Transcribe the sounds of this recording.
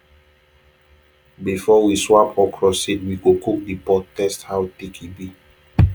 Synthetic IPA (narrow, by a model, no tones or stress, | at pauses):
bifɔwiswapɔkʰɹɔsitwiɡokuk̚dipɔttɛsthawtekʰibi